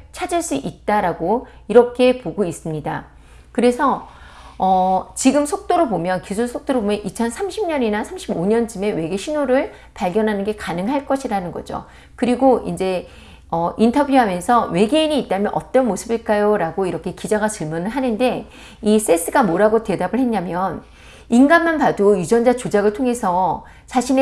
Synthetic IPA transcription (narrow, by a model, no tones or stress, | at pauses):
t͡ɕʰad͡ʑiɭs͈uʔit̚t͈aɾaɡo | iɾʌkʰe̞poɡois͈ɯmɲida | kɯɾe̞sʰʌ | ʌt͡ɕiɡɯmsʰok̚t͈oɾɯɭbomjʌnkusʰuɭsʰok̚t͈oɾɯɭbomjʌnit͡ɕʰʌnsʰamɕʰimɲʌɲinasʰamɕʰiboɲʌnt͡ɕɯme̞we̞ɡe̞ɕʰinoɾɯɭ | paɭɡjʌnɦanɯnɡe̞kanɯŋɦaɭk͈ʌɕʰiɾanɯnɡʌ̰d͡ʑo̰ | kɯɾiɡoind͡ʑe̞ | ʌintʰʌbjuɦamjʌnsʰʌwe̞ɡeiɲiːt̚t͈amjʌnʔʌ̰t͈ʌnmosʰɯbiɭk͈ajoɾaɡoiɾʌkʰe̞kid͡ʑaɡat͡ɕɯɭmunɯɭɦanɯnde̞ | is͈e̞s͈ɯɡamoɾaɡote̞dabɯɭhe̞nɲamjʌn | inɡanmanpadoid͡ʑʌnd͡ʑat͡ɕod͡ʑaɡɯɭtʰoŋe̞sʰʌ | t͡ɕʰaɕʰine